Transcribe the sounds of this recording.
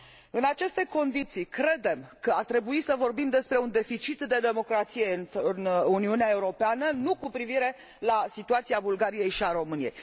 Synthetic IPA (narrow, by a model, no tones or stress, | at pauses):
ɨnat͡ʃe̞st̪e̞ko̞nd̪it̪sikɾe̞d̪e̞mkəart̪ɾe̞buisəvo̞rbimd̪e̞spɾe̞und̪e̞fit͡ʃit̪d̪e̞d̪e̞mo̞kɾat̪sije̞nɨnuniuneae̞uɾo̞peanənukupɾiviɾe̞ | lasit̪uat̪siabulɡaɾije̞jʃiaɾo̞mɨnije̞̰j